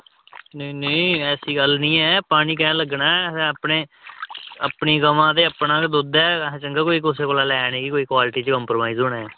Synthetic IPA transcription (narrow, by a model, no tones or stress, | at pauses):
neneɛːsiːɡəlnĩːɛːpaːɽ̃iːkɛ̃ːləɡnaːɛsɛ̃ːəpneː | əpɳiːkəʋãːt̪eːəpnãːkd̪oːd̪ɛ̃ːt͡ʃəŋɡaːkoːiːkʊs̬eːkoːlaːlɛːñeːkikoːiːkwaːlɪʈiːt͡ʃkəmpɾomaːiːzoːnaːɛː